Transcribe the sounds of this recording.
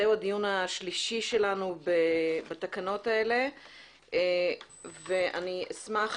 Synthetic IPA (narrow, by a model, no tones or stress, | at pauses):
ewad̪ijunaʃliʃiʃe̞lanubebat̪akano̞t̪ae̞le̞ | veʔa̰niesmaχ